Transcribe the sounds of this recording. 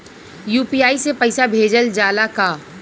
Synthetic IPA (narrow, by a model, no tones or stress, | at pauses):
juːpiːaːisepɐɪsabʱeːd͡ʒəld͡ʒaːlakaː